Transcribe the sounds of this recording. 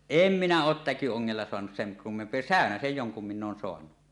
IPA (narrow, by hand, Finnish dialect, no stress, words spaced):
em minæ oːt tækyoŋːelːɑ soɑnus seŋ kumːempˑie sæˑønæsej joŋkum minː oːn soɑnu